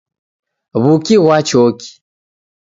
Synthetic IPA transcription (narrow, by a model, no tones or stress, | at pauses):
βukiɣwat͡ʃɔki̥